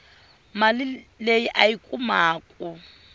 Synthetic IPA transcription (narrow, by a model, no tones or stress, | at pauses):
malɪlejiʔaikʼumaːkʼu